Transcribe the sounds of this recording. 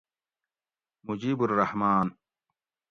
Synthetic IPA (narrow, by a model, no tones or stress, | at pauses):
mud͡ʑiːburːɐhmaːn